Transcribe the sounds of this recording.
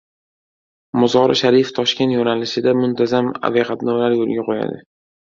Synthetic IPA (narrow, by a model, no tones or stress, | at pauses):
mʊzɒɾɪ̰ʃaɾijft̪ʰɒʃkʲet̪jonalɪʃɪd̪amʊnt̪ʰazama̰viqat̪nɒwlaɾjolɡʲaqʰoja̰d̪ɪ